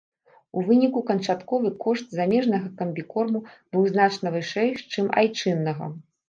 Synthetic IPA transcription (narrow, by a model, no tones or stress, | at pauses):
uvɨnʲikukɐnt͡ʂat̪kɔvɨkɔʂt̪̚zamʲɛʐnɐɣɐkɐmʲbʲikɔrmub̥ɨwznat͡ʂn̪ɐvɨʂɛjt͡ʂɨma̰jt͡ʂɨnːɐɣɐ̰